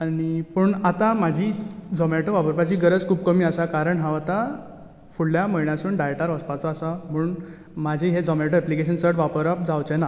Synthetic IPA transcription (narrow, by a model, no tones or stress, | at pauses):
aɽ̃ipəɳat̪amad͡ʑʱiːd͡zɔmaʈoʋapəɾpat͡ɕiːɡəɾəd͡zkʰuːbkəmiːasakaɾəɳɦãʋat̪a | fuɽljaməɭɳjasuːɳɖajʈaɾəspat͡sɔasam̤uːɳ | mad͡ʑʱiɦed͡zɔmaʈoɛplikeɕənsəɾʈʋapəɾap̚d͡zawt͡ɕena